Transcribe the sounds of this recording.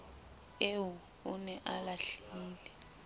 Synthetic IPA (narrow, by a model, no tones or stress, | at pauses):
ewu | unɛʔalaɬiːlɛ